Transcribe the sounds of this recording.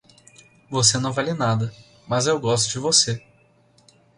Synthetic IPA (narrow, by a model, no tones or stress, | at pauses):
vosenɐ̃w̃valɪnad̪ɐ | mɐzewɡɔst̪ʊd͡ʒɪvose